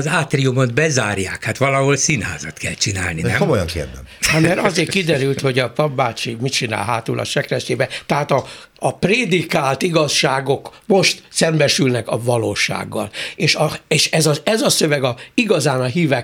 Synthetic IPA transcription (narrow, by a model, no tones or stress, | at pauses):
ɒzaːt̪riumod̪bɛzaːrjaːkhat̪ʋɒlɒɦolsinha̰ːzɒt̪kɛlt͡ʃina̰ːlninɛmkomojɒ̰ŋkḛːrd̪ɛ̰hammɛɾɒzeːrkid̪ɛɾylt̪ho̞ɟɒpɒbːaːt͡ʃimit͡ʃina̰ːlɦaːt̪ṵːlʔɒ̰ʃɛkrɛʃeːbɛt̪ɛɦaːt̪ɒː | preːd̪ikaːlt̪iɡɒʃːaːɡo̞kmo̞ʃt̪sɛmbɛʃylnɛkɒvɒloːʃa̰ːɡːɒ̰leːʃɒeːʃɛzɒɛzɒsø̞vɛɡɒiɡɒzaːnɒɦiːvɛ